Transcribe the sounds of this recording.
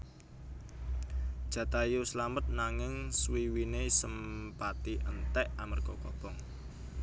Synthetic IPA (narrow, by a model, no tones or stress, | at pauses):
d̥ʒ̥ä̤t̪ajuslamət̪̚naŋɪŋswiwinesəmpat̪iʔənt̪ɛʔamərkɔkɔ̰b̥ɔŋ